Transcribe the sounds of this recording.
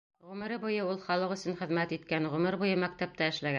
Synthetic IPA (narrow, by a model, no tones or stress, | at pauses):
ʁʉmɘ̆ɾɘbujɤulˠχɒlˠɤqɵ̆sɘnχɘ̆ðmæt̪it̪kænʁʉmɘɾbujɤmæk̚t̪æp̚t̪æɘ̆ʃlæɡæ